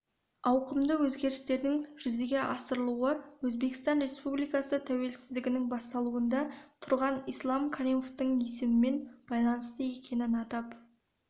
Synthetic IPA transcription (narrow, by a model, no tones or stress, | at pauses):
ɑwqəmd̪əwɵzɡʲe̞ɾɪst̪e̞ɾd̪ɪŋʒ̥ʏzeɡʲe̞ʔɑsəɾəlˠuwəwɵzbe̞kɪst̪ɑnɾe̞spublˠijkɑsət̪ʰæwe̞lsɪzd̪ɪɡʲɪnɪŋbɑst̪ɑlˠuənd̪ɑt̪ʰʊɾʁɑnijslˠɑmkʲʰaɾijmo̞ft̪əɴesɪmɪme̞nb̥ɑjlˠɑnəst̪əje̞kʲʰe̞nɪnɑt̪ɑp